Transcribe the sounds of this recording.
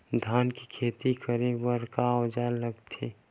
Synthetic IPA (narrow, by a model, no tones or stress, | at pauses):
d̪ʱaːnkikʰeːt̪ikəɾebəɾkad͡ʒaləɡt̪ʰi